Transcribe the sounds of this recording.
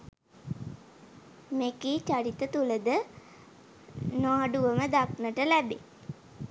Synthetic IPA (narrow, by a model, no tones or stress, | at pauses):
mekiːt͡ʃaɾit̪ət̪uləd̪ə | noaːɖuʋəməd̪aknəʈəlæbḛ